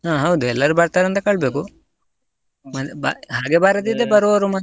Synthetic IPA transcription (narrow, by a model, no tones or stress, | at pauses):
ɦaːɦɐwd̪uɛlːɐɾubɐɾt̪aːɾɐnt̪ɐkɐɭbeːku | mɐb̰ɦaːɡeːbaɾɐd̪id̪ebɐɾuɐɾumɐ